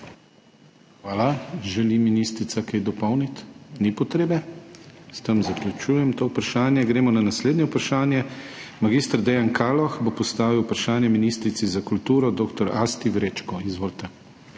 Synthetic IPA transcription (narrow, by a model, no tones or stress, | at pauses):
xʋaːlaʒɛliminist̪ɾit̪sakɛjd̪ɔpɔwnit̪nipɔt̪ɾeːbɛst̪əmzaklʲut͡ʃuːjɛmt̪owpɾaʃaːnjɛɡɾeːmɔnanasleːd̪nʲjɛupɾaʃaːnjɛmaɡist̪ɾd̪ɛjankʰaːlɔxbopɔst̪aːʋiwpɾaʃaːnjɛminist̪ɾit̪sizakult̪uːɾɔd̪oːkt̪ɔɾaːst̪ivɾet͡ʃkɔizʋoːlt̪ɛ